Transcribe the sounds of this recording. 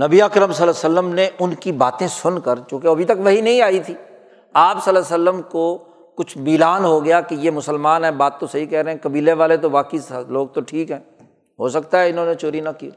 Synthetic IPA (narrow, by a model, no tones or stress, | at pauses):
nɐbiaːkɾəmsɐləsəlːəmneʔʊnkibaːt̪ẽsʊnkəɾt͡ʃjõːkeɐbʱit̪ɐkʋɐɦinɐɦĩaːit̪ʰiː | aːpsɐlɛsəlːəmko | kʊt͡ʃʰbiːlaːnɦoɡɐjakijemʊsəlmaːnɦɛ̃baːt̪ːosɐɦikɛɦɾɐɦɛ̃kɐbiːleʋaːlet̪̬obaːkisloːɡ̚t̪oʈʰiːkɦɛ̃ː | ɦosɐkt̪aɦɛɪnɦõːnet͡ʃoːɾinɐkiː